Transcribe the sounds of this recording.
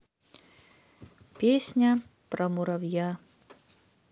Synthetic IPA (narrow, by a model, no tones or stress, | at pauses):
pʲesʲnʲɐ | pɾɐmuɾɐwja